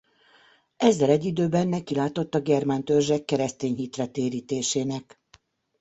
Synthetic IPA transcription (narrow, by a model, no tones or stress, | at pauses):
ɛzːɛlɛɟːid̪øːbɛnːɛkilaːt̪o̞t̪ːɒɡɛrmaːnt̪ørʒɛkːɛɾɛst̪eːɲɦit̪rɛt̪eːɾiːt̪eːʃeːnɛk